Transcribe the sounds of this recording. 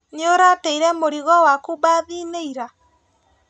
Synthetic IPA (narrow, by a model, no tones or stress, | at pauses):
neoɾateiɾɛmoɾiɣɔwakubaðiːneiɾa